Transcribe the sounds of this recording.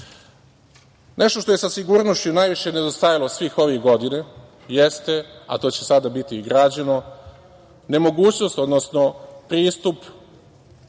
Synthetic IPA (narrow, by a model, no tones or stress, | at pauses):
nʔe̞ʃt̪o̞ʃt̪o̞je̞sasiɡuːɾnost͡ɕunajʋiʃe̞ned̪ost̪ajalosʋiːxo̞ʋiɡo̞d̪ine | jest̪e̞a̰t̪o̞t͡ɕesad̪abit̪iɡɾad͡ʑeno̞ | ne̞mo̞ɡuːt͡ɕno̞st̪o̞d̪nosno̞pɾiːst̪up